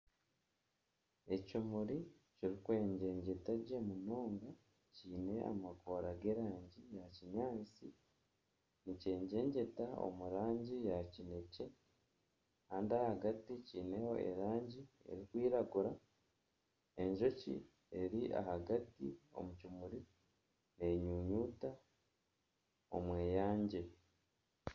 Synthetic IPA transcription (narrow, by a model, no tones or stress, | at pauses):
e̞cumuɾi | ciɾikwe̞ːɲɟe̞ːɲɟe̞taɟe̞muno̞ːŋɡa | ciːne̞a̰mako̞ːɾaɡe̞ːɾaːɲɟijaciɲaːt͡si | nice̞ːɲɟe̞ːɲɟe̞tao̰muɾaːɲɟijacine̞ce̞ | kaːndiahaɡaticiːne̞ho̞e̞̰ɾaːɲɟie̞̰ɾikwiːɾaɡuɾa | e̞ɲʒo̞cḭ | e̞ɾiʔa̰haɡatio̞̰mucumuɾi | ne̞ɲuːɲuːta | o̞mwe̞ːjaːɲɟe̞